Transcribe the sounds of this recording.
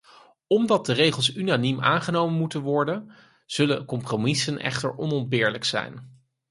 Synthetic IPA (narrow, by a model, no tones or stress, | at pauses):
ɔmdɑt̚dərejχəlˠsynanimʔa̰ːnχənowmənmutənʋɔɹdən | z̥ɵləkɔmpromɪsənʔɛ̰χtə̰ɹʔɔnɔndbɪːɹləksɛ̰jn